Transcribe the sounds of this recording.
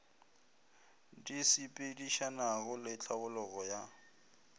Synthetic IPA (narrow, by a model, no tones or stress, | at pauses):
disipʼidiʃanaɣʊlɪt͡ɬʰʼabʊlɔɣɔja